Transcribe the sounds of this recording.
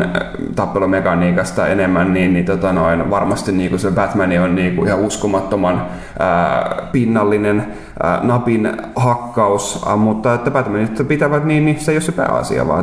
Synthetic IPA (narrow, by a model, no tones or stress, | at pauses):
t̪ɑpːelumekɑniːkɑst̪ɑ̰ḛnemːænniːnnit̪ot̪ɑnoinʋɑrmɑst̪inniːŋkusebæt̪mænionniːkuihɑuskomɑt̪ːomɑn | ə̰ːpinːɑlːinen | ə̰nɑpin | hɑkːɑusmut̪ːɑet̪ːæbæt̪mænit̪ːpit̪æʋæt̪niːnnisejosepæ̰ːɑ̰sḭɑ̰ʋɑ̰ː